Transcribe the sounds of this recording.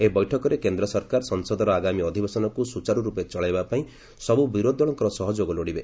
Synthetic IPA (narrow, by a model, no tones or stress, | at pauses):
ebɔjʈʰɔkɔɾekend̪ɾɔsɔɾkaɾsɔŋsɔd̪ɔɾɔaɡamiɔd̪ʱibesɔnɔkusut͡ʃaɾuɾupet͡ʃɔɭajbapaĩ | sɔbubiɾod̪ʱɔɭɔŋkɔɾɔsɔɦɔd͡ʒoɡɔloɽibe